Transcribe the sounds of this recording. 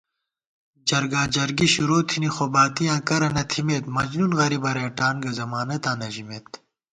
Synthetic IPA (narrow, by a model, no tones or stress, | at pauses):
d͡ʑɐɾɡãːd͡ʑɐɾɡiɕuɾoːt̪ʰinixobaːt̪ijãːkɐɾɐnɐt̪ʰimeːt̪mɐd͡ʑnunɣɐɾibɐɾeːʈaːnɡɐzɐmaːnɐt̪ãːnɐʑimeːt̪